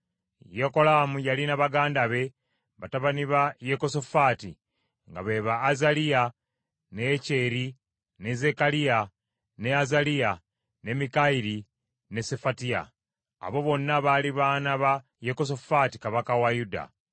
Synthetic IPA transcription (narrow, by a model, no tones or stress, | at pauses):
jeko̞laːmujalinaβaɡaːndaβe̞ | βataβaniβajeko̞so̞faːti | ŋɡa̰βe̞βaːzalija | ne̞ːce̞ːɾi | ne̞ze̞kalija | ne̞azalia | ne̞mikaiɾi | ne̞se̞fatia̰ː | βo̞βo̞nːaβaːliβaːnaβa | jeko̞s̬o̞fati̥kaβakawajuda̰